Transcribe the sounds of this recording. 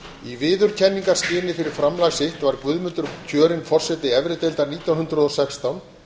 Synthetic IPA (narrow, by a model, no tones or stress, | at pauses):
ivɪːðʏɾ̥cʰɛnːiŋkḁscɪːnɪfɪɾɪɾ̥fɾamlajsɪht̪vaɾkvʏðmʏnt̪ʏɾcʰœːɾɪnfɔr̥sɛt̪ɪɛvɾɪt̪ejlt̪aɾniːt̪jawnɦʏnt̪ɾʏðɔsɛkst̪awn